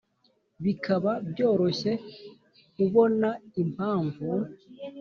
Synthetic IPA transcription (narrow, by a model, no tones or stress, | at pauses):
βikʰaβabjo̞ːɾo̞ɕe̞ | kuβo̞naimaːɱvu